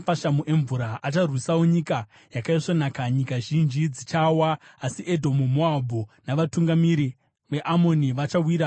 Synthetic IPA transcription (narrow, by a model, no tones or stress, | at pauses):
faʃamuʔe̞ɱvuɾaʔat͡ʃarwisawoɲika | jakaiʂonakaɲikaʒind͡ʒid͡zit͡ʃawaːsiʔedʱo̞mumoabʱunaʋatuŋɡamiɾi | ʋe̞ʔamo̞niʋat͡ʃawiːɾa